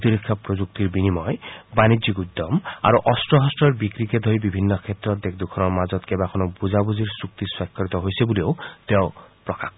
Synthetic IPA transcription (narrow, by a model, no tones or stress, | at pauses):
t̪iɾikʰːɔpɾod͡ʒuk̚t̪iɾbinimɔebanid͡ʒikud̪ːɔma̰ɾuʔɔstɾɔɦɔsʈɔɾbikɾiked̪ʱojbibʱinːɔkʰet̪ːɾɔt̪̚d̪ek̚ʰd̪ukʰɔnɔmad͡ʒɔt̪kebakʰɔnɔbuzabuziɾsukt̪iswakʰːɔɾit̪ɔɦojsebuliot̪eopɾɔkakʰ